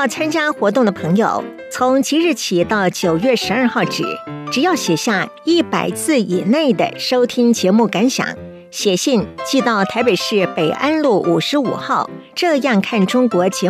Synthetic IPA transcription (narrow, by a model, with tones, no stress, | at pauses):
jɑ˥˩ʊt͡sʰa˥nt͡ɕja˥xwɔ˧˥t̪ʊ˥˩ŋd̪ə˩pʰɤ˧˥ŋjo̰˨˩ʊ | t͡sʰʊ˧˥ŋt͡ɕi˧˥ɻ̩˥˩t͡ɕʰi˨˩t̪ɑ˥˩ʊt͡ɕjo˨˩ʊɥɛ˥˩ʂɻ̩˧˥a˞˥˧xɑ˥˩ʊʈ͡ʂɻ̩̰˨˩˦ʈ͡ʂɻ̩˨˩jɑ˥˩ʊɕjɛ˨˩ɕja˥˧ | i˥˩pa˨˩ɪt͡sʰɹ̩˥˩i˨˩ne˥˩ɪd̪ə̰˩ʂo˥ʊt̪ʰi˥ŋt͡ɕjɛ˧˥mu˥˩ka˧˥nɕjɑ̰˨˩˦ŋ | ɕjɛ˨˩ɕi˥˧nt͡ɕi˥˧t̪ɑ˥˩ʊt̪ʰa˧˥ɪpe˨˩ɪʂɻ̩˥˩pe˨˩ɪʔa˥nlu˥˩ʔu˨˩ʂɻ̩˧˥ṵ˨˩xɑ˥˩ʊʈ͡ʂɤ˥˧jɑ˥˧ŋkʰa˥˩nʈ͡ʂʊ˥ŋkwɔ˧˥t͡ɕjɛ˧˥